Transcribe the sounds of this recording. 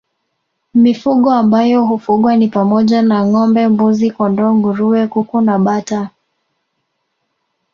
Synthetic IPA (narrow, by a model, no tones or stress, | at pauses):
mifuɠɔambajɔhufuɠwanipamɔʄanaŋɔmbɛmbuzikɔndɔŋɡuɾuwɛkukunaɓata